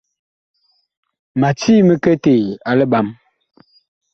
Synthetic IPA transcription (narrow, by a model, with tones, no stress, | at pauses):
ma˨ti˦mə˦kə˦te˨a˨lə˦ɓa˨˦m